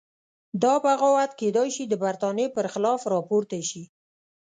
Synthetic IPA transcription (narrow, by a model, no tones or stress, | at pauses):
d̪ɑpaɣawat̪ked̪ɑjʃid̪əbaɾt̪ɑnepəɾxɪlɑfɾɑpoɾt̪aʃi